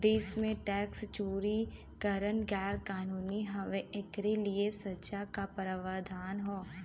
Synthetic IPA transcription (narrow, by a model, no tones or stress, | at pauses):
d̪eːsmẽʈɛːkst͡ʃoːɾi | kəɾənɡɛːlkaːnuːniɦɐʋẽɪkɾeliesətːt͡ʃakapəɾəʋaːd̪ʱaːnɦoː